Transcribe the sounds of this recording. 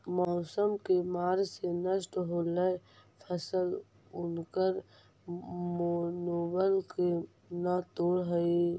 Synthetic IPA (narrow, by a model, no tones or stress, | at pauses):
mɔːsəmkemaːɾsenəsʈɦoːləjpʰəsəl | ʊnkəɾ | monobəlke | nət̪oːɾɦəi